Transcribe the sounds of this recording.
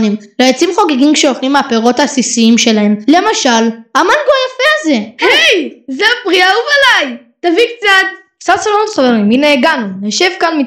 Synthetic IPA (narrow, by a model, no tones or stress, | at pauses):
nim | lejat͡simχo̞ɡeɡimkʃeoχlimaːpeʁo̞tasisiimʃe̞lae̞mle̞maʃalamanɡojafeaze̞hejzeapʁiauvalajtavikt͡sat | sasalonot̪χaveʁimineːɡanuneʃevkanmi